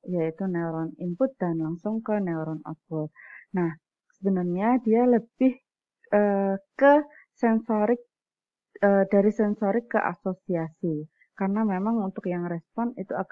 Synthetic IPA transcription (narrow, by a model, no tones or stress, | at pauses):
jait̪uneɾɔnimpʊt̪̚d̥anlaŋsʊŋkəneuɾɔnɔ̰t̪̚fʊt̚nah | səbənərɲadialəb̥ɪh | ʔəːkə | sɛnsoɾɪk̚ | əːdaɾisɛnsoɾɪkːəʔa̰sosiasi | karənamemaŋunt̪ʊkjaŋrɛspɔnit̪uak